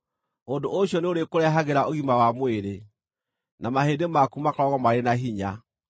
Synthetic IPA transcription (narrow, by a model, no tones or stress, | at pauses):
ondooɕjɔneoɾekoɾɛɦaɣeɾaʔoɣimawamweɾe | namahedemakumakɔɾɔɣɔmaɾenaɦiɲa